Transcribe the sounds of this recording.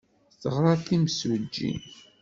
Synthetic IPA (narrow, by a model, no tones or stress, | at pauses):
θəʁɾˤɑθimsud͡ʒːḭn